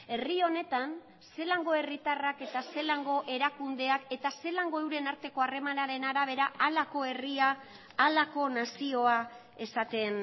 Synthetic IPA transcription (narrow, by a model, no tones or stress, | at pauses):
e̞rio̞ne̞t̪an | se̞laŋɡo̞e̞rit̪arake̞t̪ase̞laŋɡo̞ʔe̞ɾakund̪e̞ake̞t̪ase̞laŋɡo̞ewɾe̞naɾt̪e̞ko̞are̞manaɾe̞naɾaβ̞e̞ɾaalako̞e̞riaː | lako̞nasio̞a | e̞sat̪e̞n